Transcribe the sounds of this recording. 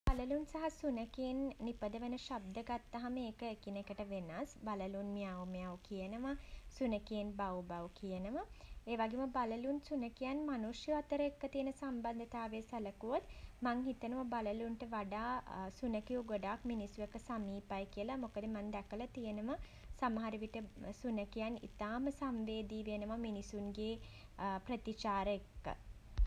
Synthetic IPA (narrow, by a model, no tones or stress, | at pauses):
baləlunsaɦasunəkeːnːipəd̪əʋənəʃab̚d̪əɡat̪ːaɦameːkəekinekəʈəʋenasbaləlunmijaʋumijawkijənəməsunəkeːnbawbawkijənəməeːʋaɡeməbaləlunsunəkijanmanusjuat̪əɾəekːət̪ijənəsamband̪ət̪aːʋesɐləkuʋot̪maŋɦit̪ənəʋəbaləlunʈəʋaɖaːsunəkijuɡoɖaːkminisuekəsamiːpajkijəlamokəd̪əmand̪ækəlat̪ijənəmə | samɦaɾiʋiʈəsunəkijanḭt̪aːməsamʋeːd̪iːʋenəʋaminisunɡeːpɾət̪it͡ʃaːɾəekːə̰